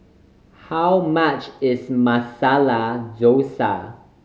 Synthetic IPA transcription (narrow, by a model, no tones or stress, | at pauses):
hawmat͡ʃɪzmasalad͡ʒosa̰